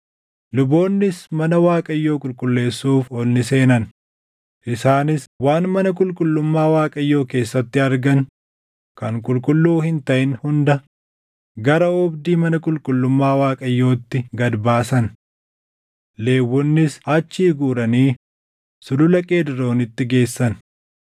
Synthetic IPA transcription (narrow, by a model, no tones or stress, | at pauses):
lʊbo̞ːnːɪsmɐnɐwaːkʼɐjːo̞ːkʼʊlkʼʊlːe̞ːsːuːfɔlnɪse̞ːnɐn | ʔɪsaːnɪswaːnmɐnɐk̬ʼʊlkʼʊlːʊmːaːwaːkʼɐjːo̞ːke̞ːsːɐt̪ːɪɐɾɡɐn | kɐŋkʼʊlkʼʊlːuːhɪnt̪ɐʔɪnhʊnd̪ɐ | ɡɐɾɐɔbd̪iːmɐnɐkʼʊlkʼʊlːʊmːaːwaːkʼɐjːo̞ːt̪ːɪɡɐd̪baːsɐn | le̞ːwːɔnːɪsɐt͡ʃːiːɡuːɾɐniː | sʊlʊlɐkʼe̞ːd̪ɪɾo̞ːnɪt̪ːɪɡe̞ːsːɐn